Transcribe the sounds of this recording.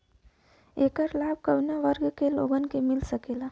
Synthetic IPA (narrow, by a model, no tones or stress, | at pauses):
ekəɾlab̚kəwnjaʋəɾɡkelo̰ɡənkemilsəkela